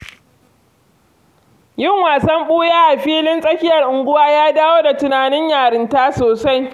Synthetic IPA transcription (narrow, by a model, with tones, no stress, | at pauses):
jɪ˦ŋwaː˨sɐ˦mɓuː˦jaː˦ʔa˨ɸiː˦lɪ˦nsʼɐ˦kʲɪ˦jɐ˨rʔʊ˨ŋɡʷʊ˦waː˦jaː˦daː˦woː˦da˨tʊ˨naː˨nɪ˦ɲjaː˨ɾɪ˦ntaː˦soː˨sa˦j